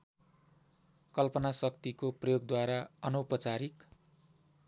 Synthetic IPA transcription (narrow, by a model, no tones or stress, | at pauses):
kʌlpʌnasʌk̚t̪ikoprʌjoɡd̪waɾaʌnʌwpʌt͡saɾik